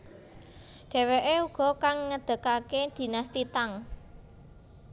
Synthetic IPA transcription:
ɖ̥e̤weʔeuɡ̥ɔ̤kaŋːəd̪̥ə̤kaked̪̥i̤nast̪it̪aŋ

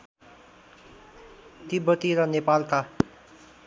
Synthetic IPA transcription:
t̪ibʌt̪iɾʌnepalka

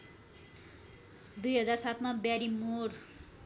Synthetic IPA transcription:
d̪ujɦʌd͡zarsat̪ʰmabjaɾimor

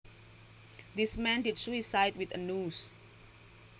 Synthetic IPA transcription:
dismɛ̃ndidswisaɪtwit̪ənus

